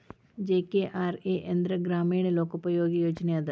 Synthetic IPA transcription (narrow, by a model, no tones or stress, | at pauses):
d͡ʒeːkeʔaːɾeːʔɪ̃nd̪ɾəɡɾaːmiːɳloːkʊpɾəjoːɡijoːd͡ʒnead̪